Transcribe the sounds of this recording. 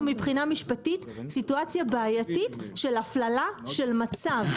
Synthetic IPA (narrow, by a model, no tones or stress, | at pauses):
mipχinamiʃpatitsituat͡sjabeajatitʃe̞laflalaʃe̞lmat͡sav